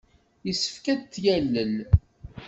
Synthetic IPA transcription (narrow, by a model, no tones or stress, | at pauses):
jəsːə̥fkæt̪ːjælːəl